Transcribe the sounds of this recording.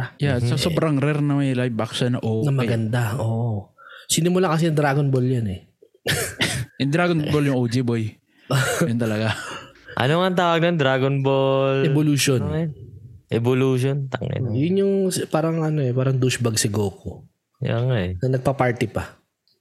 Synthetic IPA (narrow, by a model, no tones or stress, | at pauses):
jaɐɐsobɾɐŋɾɛɾnɐmɐjlajbaksɐnɐʔoːnɐmɐɡɐnd̪aoːʔosɪnɪmʊlakɐsɛjɐŋd̪ɾaːɡonboljanɛ | ɐnd̪ɾaːɡonboljʊŋʔowd͡ʒiboj | jʊnt̪ɐlɐɡaʔɐ̰noŋant̪aːwɐɡ̚nɐaŋd̪ɾaːɡonbolɛboluʃon | ʔɛboluʃont̪ɐŋɛ̰jʊnjʊŋspaːɾɐŋɐnoɛpaːɾɐŋd̪uʃbɐɡ̚sɪɡoːko | jo̰ŋnɐnɐɡ̚pɐpaɹt̪ɪpɐ